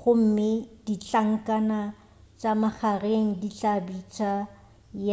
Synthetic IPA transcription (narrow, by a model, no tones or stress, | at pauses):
χʊm̩mɪd̥it͡ɬaŋ̩kʼana | t͡ʃʼamaχareŋ̩dit͡ɬʼabit͡ʃʼa | j